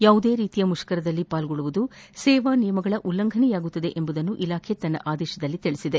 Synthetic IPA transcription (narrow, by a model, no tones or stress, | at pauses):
jaːʋud̪e̞ːɾiːt̪ijɐmuʂɐ̥kɐɾɐd̪ɐlːipaːlɡoɭuʋud̪usɛːʋaːnijɐmɐɡɐɭɐʔulːɐŋɡʱɐnijaːɡut̪ːɐd̪e̞ʔembud̪ɐnːuʔilaːkʰet̪ɐnːɐ̰ʔaːd̪ɛːʃɐd̪ɐlːit̪iɭisid̪e